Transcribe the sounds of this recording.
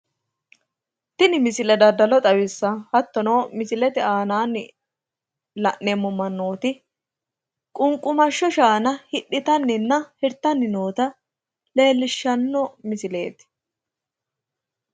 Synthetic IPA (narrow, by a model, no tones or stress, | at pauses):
t̪ɪnɪmɪsɪlɛd̪ɐd̪ɐlɔt̪ʼɐwɪsːɐhɐt̪ːɔno̞ːmɪsɪlɛt̪ɛaːnaːnːɪ | lɐʔnemːɔmɐnːo̞ːt̪ɪ | kʼʊŋkʼːʊmɐʃːɔʃaːnɐhɪɗːɪt̪ɐnːɪnːɐhɪɾt̪ːɐnːɪnoːt̪ɐ | le̞ːlːɪʃːɐnːɔmɪsɪle̞̰ːt̪